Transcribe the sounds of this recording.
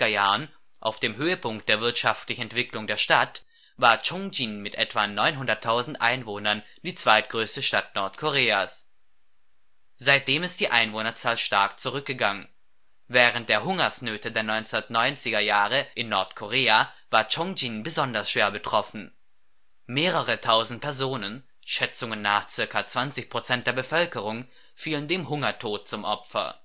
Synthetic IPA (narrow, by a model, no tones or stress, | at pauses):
d̥ɐjaːn | ʔa̰ʊfd̥eːmɦøːəpʰʊŋk̚t̚d̥eːɐvɪɐtʃaftlɪçn̩ɛntv̥ɪklʊŋdeːɐʃtat | vaːɐt͡ʃɔŋd͡ʒinmɪtʔɛtv̥anɔʏnɦʊndɐtʰːaʊzn̩tʔaɪnvoːnɐn | d̥iːt͡sv̥aɪt̚ɡ̥ʁøːstəʃtat̚nɔɐtkʰoʁeːas | z̥aɪt̚d̥eːmɪstd̥iːʔaɪnvoːnɐt͡saːlʃtaɐk̚t͡suʁ̞ʏk̚ɡ̥əɡaŋən | vɛːʁ̞ənt̚d̥eːɐɦʊŋɐsnøːtədeːɐnɔʏnt͡sɛnɐtnɔʏnt͡sɪɡɐjaːʁəʔɪnːɔɐtkʰoʁ̞eːavaːɐt͡ʃɔŋd͡ʒinbəzɔndɐsʃv̥eːɐbətʁ̥ɔfn̩ | meːʁəʁətʰaʊzn̩t̚pʰɛɐzoːnən | ʃɛt͡sʊŋənːaːχt͡sɪɐkat͡sv̥ant͡sɪçpʁ̥ot͡sɛnt̚d̥eːɐbəfœlkəʁ̞ʊŋ | fiːləndeːmɦʊŋɐtʰoːt̚t͡sʊmʔɔpfɐ̰